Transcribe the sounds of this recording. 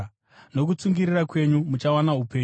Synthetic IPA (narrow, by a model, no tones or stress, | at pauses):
no̞k̬ut͡suŋɡiɾirakwe̞ɲumut͡ʃawanaɦupe̞ː